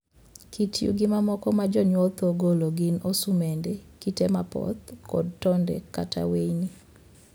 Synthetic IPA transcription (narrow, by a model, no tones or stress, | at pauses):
kitjṵɡɪmamɔkɔmad͡ʒɔɲwɔt̪oɡoloɡɪnosumendekitemapɔ̰t̪kɔ̰d̚tɔndɛ̰ka̰ta̰wejni